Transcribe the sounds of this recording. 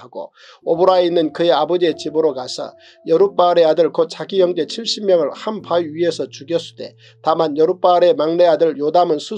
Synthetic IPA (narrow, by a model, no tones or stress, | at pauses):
aɡo̰ | obɯɾainːɯnkɯje̞abʌd͡ʑiet͡ɕibɯɾokasʰʌ̰ | jʌɾup͈aɯɾe̞adɯɭkot̚t͡ɕ͈aɡijʌŋd͡ʑe̞t͡ɕʰiɭɕ͈imjʌŋɯɭhampaiɥie̞sʰʌt͡ɕuɡjʌs͈ʰud̥e̞̰ | tamanjʌɾup͈aɯɾe̞maŋne̞adɯɭjodamɯnsʰu